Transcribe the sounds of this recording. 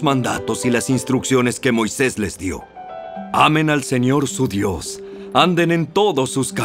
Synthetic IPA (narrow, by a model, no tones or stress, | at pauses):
zmãnd̪at̪o̞silasinst̪ɾuksjo̞ne̞ske̞mo̞jse̞zle̞zd̪jo̞̰ | amẽ̞nalse̞ɲo̞ɾsuðjo̞s | and̪e̞ne̞nt̪o̞ðo̞suska